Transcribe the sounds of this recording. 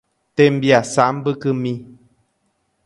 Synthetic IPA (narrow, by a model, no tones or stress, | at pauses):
tɛm̩bjasam̩bɨkɨmi